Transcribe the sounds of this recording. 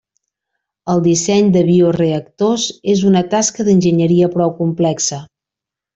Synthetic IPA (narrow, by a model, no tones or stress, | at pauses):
əlˠd̪isɛɲd̪əβiureək̚t̪ozezunət̪askəðənʲʒəɲəɾiəpɾɔwkumplɛksə